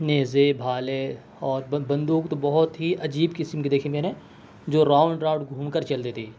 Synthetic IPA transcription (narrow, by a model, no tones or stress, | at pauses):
neːzebʱaːle | ɔːɾbɐ̃nd̪uːkt̪obɐɦʊt̪ɦiʔɐd͡ʒiːbkɪsmkid̪eːkʰẽkenẽː | d͡ʒoːɾaːʊ̃ɳɖɾaːɖɡʱũːmkəɾt͡ʃɐlt̪et̪ʰiː